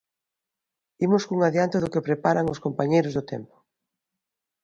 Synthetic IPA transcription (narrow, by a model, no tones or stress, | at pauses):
imʊskuŋaðjant̪ɪðʊkɪpɾepaɾaŋʊskompaɲejɾʊzðʊt̪ɛ̰mpʊ̥